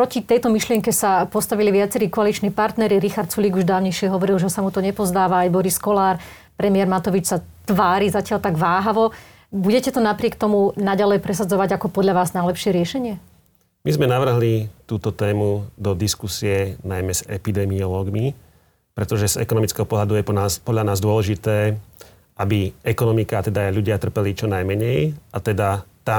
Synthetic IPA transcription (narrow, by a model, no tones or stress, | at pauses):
pɾɔcit̪ɛjt̪ɔmiʃlɪɛŋkɛsapɔst̪aʋiliʋɪat͡sɛɾiːkɔalit͡ʃniːpaɾt̪nɛɾiɾixaɾt̪̚t͡suliːɡuʒd̪aːʋʊɲɛjʃɪɛɦɔʋɔɾilʒɛsamut̪ɔɲɛpɔzd̪aːʋaːjbɔɾiskɔlaːɾ | pɾɛmiɪɛɾmat̪ɔʋit͡ʃsat̪ʋaːɾizacɪaʎt̪aɡʋaːɦaʋɔ | buɟɛcɛt̪ɔnapɾɪɛk̚t̪ɔmunaɟalɛjpɾɛsad͡zɔʋaɟakɔpɔd̪ʎaʋaːznajlɛpʃɪɛɾɪɛʃɛɲɪɛ | mizmɛnaʋr̩ɦlit̪uːt̪ɔt̪ɛːmud̪ɔd̪iskusiɛnajmɛz̥ɛpid̪ɛmiɔlɔːɡmi | pɾɛt̪ɔʒɛzɛ̰kɔnɔmit͡skɛːɦɔpɔɦlad̪ujɛɔaːpɔd̪ʎanaːzd̪ʊɔlɛʒit̪ɛː | ʔabiɛkɔnɔmikaːt̪ɛd̪aːjʎuɟɪat̪r̩pɛlit͡ʃɔnajmɛɲɛjʔat̪ɛd̪at̪a